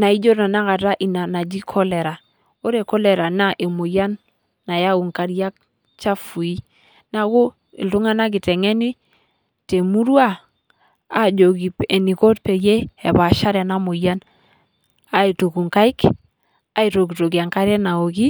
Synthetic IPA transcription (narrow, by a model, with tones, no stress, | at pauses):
na˨i˦d͡ʒo˦ta˨na˦ka˨ta˦ʔi˨na˨na˨d͡ʒi˦kʰɔ˦lɛ˨ɾa˨ | o˦ɾe˨kɔ˦le˨ɾa˨na˦ʔe˨mo˨ja˦nː | a˨ja˦u˨ŋka˨ɾija˦k̚ | t͡ʃa˦fu˨i˦ | na˨ko˦ | ḭ˨ltu˦ŋa˦na˦k̬i˨tɛ˨ŋɛ˦ni˦ | te˨mu˦ɾwa˦ | a˨d͡ʒo˨ki˨pe˨ni˨ko˦tpe˨je˦e˨ba˨ʃa˦ɾɛ˨na˦mo˨ja˦n | a˨i˨to˨ku˨ŋka˦i˦k | a˨i˨to˨ki˨to˨ki˨a˨ŋka˦ɾɛ˦na˨o˨ki˦